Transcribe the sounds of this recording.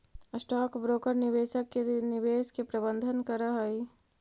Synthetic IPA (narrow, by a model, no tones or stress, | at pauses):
sʈɔːkbɾoːkəɾnɪʋeːsəkːenɪʋeːskepɾəbə̃nd̪ʱənkəɾəɦəi